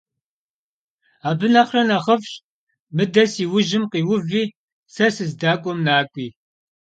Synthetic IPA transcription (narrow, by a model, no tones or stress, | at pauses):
aːbɨnɐχrɐnɐχɐfɕʼ | mɨdɐsiːwʊʒɪmqiːwʊviː | sɐsɨzdaːkʷʼɔmnaːkʷʼiː